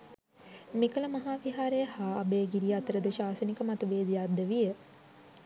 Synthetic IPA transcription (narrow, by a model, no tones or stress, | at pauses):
mikələmaɦaːʋiɦaːɾejəhaːbeːɡiɾijat̪əɾəd̪əʃaːsənikəmat̪əʋeːd̪ijad̪əʋijə